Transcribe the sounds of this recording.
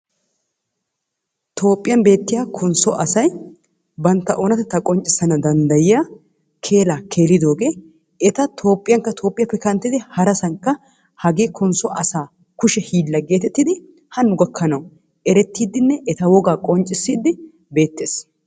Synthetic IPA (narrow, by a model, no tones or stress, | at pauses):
t̪ʰo̞ːpʼːɪjɐnbe̞ːt̪ːɪjaːkʰɔnsɔʔɐsɐj | bɐnt̪ːɐʔɔnɐt̪ɛt̪ːɐkʼɔnt͡ʃʼːɪsɐnɐd̪ɐnd̪ɐjɪjaː | kʰe̞ːlaːkʰe̞ːlɪd̪o̞ːɡe̞ː | ɛt̪ɐt̪ʰo̞ːpʼːɪjɐŋkːɐt̪ʰo̞ːpʼːɪjɐpːɛkɐnt̪ːɪd̪ɪhɐɾɐsɐŋkːɐ | hɐɡe̞ːkʊnsɔʔɐsaː | kʊʃɛhiːlːɐɡe̞ːt̪ɛt̪ːɪd̪ɪ | hɐnːʊɡɐkʰːɐnɐw | ɛɾɛt̪ːiːd̪ːɪnːɛʔɛt̪ɐwɔɡaːkʼɔnt͡ʃʼɪsːiːd̪ɪ | be̞ːt̪ːeːs